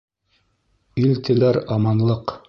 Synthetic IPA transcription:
ilt̪ɘ̆læɾɑmɑnlˠɤq

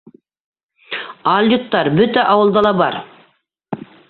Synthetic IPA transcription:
ɑlʲˠjut̪ːɑɾbʏt̪æʔɑwəlˠd̪ɑlˠɑbɑɾ

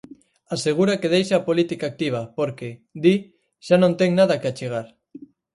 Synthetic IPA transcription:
aseɣ̞uɾakeðejʃaapolit̪ikaːk̚t̪iβ̞ɐpoɾked̪i | ʃanõnt̪eŋnað̞ɐkeat͡ʃeɣ̞aɾ

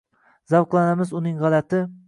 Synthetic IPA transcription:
zɑwqlˠɑnæmɨzunɨŋʁɑlˠɛt̪ɪ

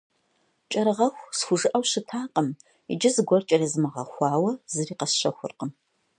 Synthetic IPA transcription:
t͡ʃʼɐɾɨʁɐxʷsxʷʊʒɨʔɐwɕɨtʰaːqʼəm | ḭd͡ʒɪzɨɡʷɔrt͡ʃʼɐrizɨmɨʁɐ̰xʷɑːwɐzɨriːqɐsʃɐxʷʊ̰rqəm

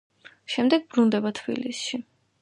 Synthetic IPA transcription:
ʃɛmd̪ɛɡ̚bɾund̪ɛbat̪ʰb̥ḭlisʃi

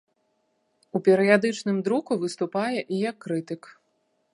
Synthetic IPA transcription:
upʲɛɾɨjad̪ɨt͡ʂnɨmd̪ɾukuvɨst̪upajɛʔijɐkːɾɨt̪ɨk

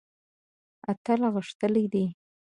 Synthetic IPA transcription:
at̪alaɣəʂt̪əlid̪i

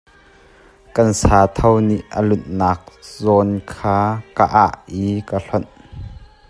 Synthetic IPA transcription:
kɐnsaːt̪ʰɐwniʔʔəlʊnnaːk̚zɔːnkʰaːkaʔaʔiːkaɬɔn

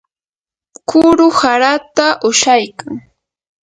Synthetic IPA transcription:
kʊɾʊhaɾat̪aʔʊʃajkaŋ

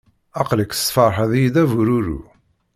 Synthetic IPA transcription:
ɑqləkːθə̥sˤfəɾˤħæðjid̪ævuɾuɾṵ

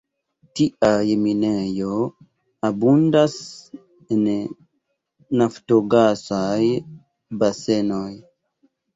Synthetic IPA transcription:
tiʔajminejo | abundas | en | naftoɡasaj | basenoj

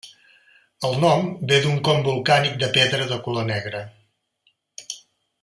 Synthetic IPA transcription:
əlˠnɔmbed̪uŋkɔmbulˠkanik̚d̪əpɛðɾəðəkulonɛɣɾə

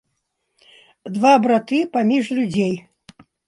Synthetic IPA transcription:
d̪vabɾat̪ɨpamʲiʐlʲud͡zʲej

